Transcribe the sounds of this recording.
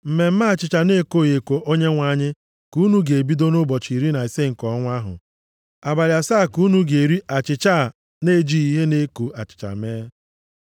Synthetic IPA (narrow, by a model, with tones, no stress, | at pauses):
m̩˨me˨m̩˦ma˦˨t͡ʃɪ˨t͡ʃa˨ne˦˨ko˦˨je˨kʷo˨ʔo˦ɲe˦ŋʷa˨˦ɲɪ˦ | ku˦nu˦ɡe˨bi˦do˦nʊ˦bɔ˨t͡ʃi˨ɾi˦na˨i˨se˦ŋ̩˨kɔ˨˦ŋʷa˦ɦʊ̰˨ | a˨ba˨ɾja˨saː˦˨ku˦nu˦ɡe˨ɾi˦ʔa˨t͡ʃɪ˨t͡ʃa˦˨ | ne˦˨d͡ʒi˦i˦ɦe˦ne˦ko˨ʔa˨t͡ʃɪ̥˨t͡ʃa̰˨meː˦